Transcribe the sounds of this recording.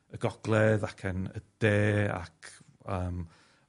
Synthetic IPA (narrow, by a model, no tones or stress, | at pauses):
əɡɔɡ̥lˠɛðakʰɛnə̰d̥eːa̰kʰ | əːm